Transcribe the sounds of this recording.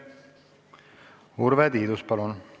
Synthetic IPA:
uɾvɛd̪iːd̪uspɑlun

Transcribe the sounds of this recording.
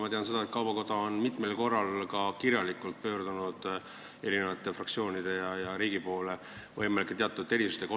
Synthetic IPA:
mɑt̪eɑnse̞d̪̥ɑet̪̚kɑwb̥ɑko̞d̪̥ɑo̞nmit̪ˑmelko̞rːɑlkɑkiɾjɑlikˑult̪̚pø̞ːrd̪̥unud̪̥ | e̞ɾine̞vɑt̪ːˑe̞frɑk̚tsio̞ːnid̪̥e̞jɑjɑɾiːɡ̥ipo̞ːle̞ | vɤjmelikːˑet̪e̞ɑt̪ːˑud̪ːe̞ɾisu̥st̪eko

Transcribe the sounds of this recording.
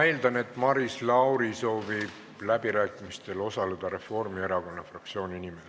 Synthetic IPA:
æjld̪ɑne̞t̪ːˑmɑɾislɑwɾiso̞ːvib̥ | læbiɾæːkˑimist̪e̞lo̞sɑle̞d̪̥ɑɾe̞fo̞rmie̞ɾɑko̞nːɑfrɑkt̪sio̞ːnʲinimes

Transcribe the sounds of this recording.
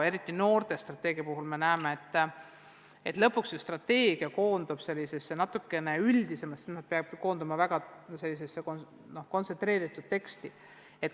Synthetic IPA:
e̞ɾit̪ːˑino̞ːrt̪e̞st̪rɑt̪ːˑe̞ːɡiɑpuɦulme̞næemeet̪ː | e̞t̪lɤ̞pːˑuksjust̪rɑt̪ːe̞ːɡ̥iɑko̞ːnd̪̥ub̥se̞lʲːise̞sːenɑt̪ːukːe̞ne̞yld̪̥ise̞mɑst̪ːsimɑ̥peɑbko̞ːnd̪umɑvæɡ̥ɑse̞lːis̬e̞sːeko | no̞hko̞nse̞nt̪re̞ːɾit̪ːˑud̪̥̚t̪e̞kst̪i | e̞t̪

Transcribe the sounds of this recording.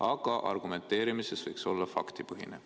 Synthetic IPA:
ɑɡ̥ɑʔɑ̰rɡ̥ume̞nt̪ːˑe̞ːɾimisesvɤjkso̞lːɑfɑ̰kt̪ipɤɦine

